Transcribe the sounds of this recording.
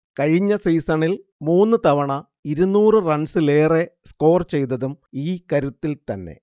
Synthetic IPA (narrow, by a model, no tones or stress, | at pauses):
kɐɻiɲːɐsiːsɐɳil | muːnːɨt̪ɐʋɐɳɐ | iɾunːuːrɨrɐɳsile̞ːre̞sko̞ːrt͡ɕe̞jt̪ːɐðumiːkɐɾut̪ːilt̪ɐnːe̞̰